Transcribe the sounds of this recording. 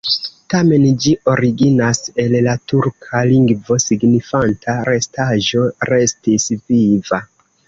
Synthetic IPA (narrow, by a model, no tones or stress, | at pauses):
tame̞nd͡ʒiʔo̞ɾiɡinase̞llatuɾkʰaliŋɡvo̞siɡnifantʰaɾe̞staʒo̞ɾe̞stisviva